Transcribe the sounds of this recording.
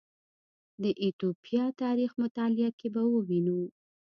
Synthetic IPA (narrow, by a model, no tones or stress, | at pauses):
d̪əʔit̪opijɑt̪ɑɾixmʊt̪ɑlɪjakebawəwinu